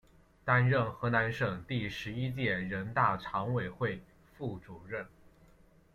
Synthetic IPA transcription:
t̪a˥nɻə˥˩nxɤ˧˥na˧˥nʂɤ˨˩ŋt̪i˥˩ʂɻ̩˧˥i˥t͡ɕjɛ˥˩ɻə˧˥nt̪a˥˩ʈ͡ʂʰɑ˧˥ŋwe˨˩ɪxwe˥˩ɪ | fu˥˩ʈ͡ʂu˨˩ɻə˥˩n

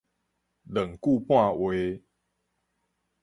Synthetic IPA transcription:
lə˨˩ŋku˥˨pwã˥˧˨we˨˦

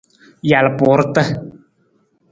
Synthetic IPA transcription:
ja˨lɨ˨pʊ˨˦ɾɨ˦tə˦

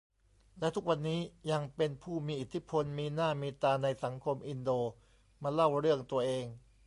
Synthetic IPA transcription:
lɛ˦˥t̪ʰu˦˥k̚wa˧nːiː˦˥ja˧ŋpe˧npʰuː˥˩miː˧ʔi˨˩t̪ʰːi˦˥pʰo˧nmiː˧naː˥˩miː˧t̪aː˧na˧jsa˩˦ŋkʰo˧mʔi˧ndoː˧ | maː˧la˥˩wɾɯ˥˩əŋt̪u˧ɐʔeː˧ŋ

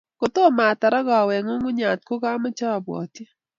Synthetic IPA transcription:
ko˨t̪o˦˨ma˨t̪a˨ɾa˦ɡɔ˨wɛ˨ŋo˦ŋʊ˦ɲa˨t̪̚ko˦ɡa˦ma˦t͡ʃɔ˦a˨bwɔ̰˨t̪i˦

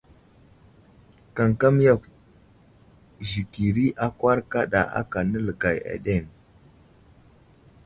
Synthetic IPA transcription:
ka˨ŋka˦m˦ja˦˨k | ʒi˨ki˨ɾi˦ʔa˦kwa˦ɾka˦ɗa̰˨a̰˦ka˨nə˦lə˨ɡa˨ja̰˨ɗe˦˨ŋ

